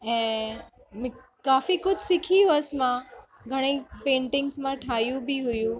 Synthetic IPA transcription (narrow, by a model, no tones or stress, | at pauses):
ɛ̃ː | m̃ | kaːfikʊd͡ʑʱsɪkʰijũɐsmã | ɡʱɐɽ̃epẽːɳʈɪ̃ŋɡzmãʈʰaːijũbiɦʊjũ